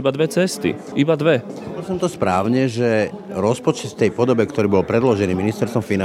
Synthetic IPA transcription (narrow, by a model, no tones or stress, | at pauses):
ibad̪ʋɛt͡sɛst̪ḭ | ibad̪ʋɛɔbɔlsɔmt̪ɔspɾaːʊɲɛʒɛ | ɾɔspɔt͡ʃɛt̪ft̪ɛjpɔd̪ɔbɛkt̪ɔɾiːbɔlpɾɛd̪lɔʒɛniːminist̪ɛɾst̪vɔmfina